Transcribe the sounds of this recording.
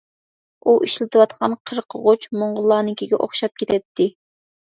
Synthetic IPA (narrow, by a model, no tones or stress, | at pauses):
uʔiʃlɪt̪ʰɨwɑt̪qʰɑnqʰəɾqʰəʁot͡ʃmoɴʁʊlˠɑːnɪkʲiɡʲɛʔo̰χʃɑp̚kʲʰet̪ʰɛt̪ʰːɪ